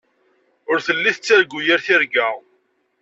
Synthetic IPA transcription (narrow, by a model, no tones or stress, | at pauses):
ʊɾθəlːiθət͡sːaɾɡːujəɾθiɾɡæ